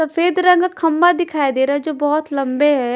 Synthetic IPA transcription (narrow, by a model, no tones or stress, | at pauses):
sɐfeːd̪ɾɐ̃ŋɡkʰɐmbad̪ɪkʰaːjd̪eːɾaɦɛd͡ʒoːbɔːʊt̪lɐ̃mbeɦɛː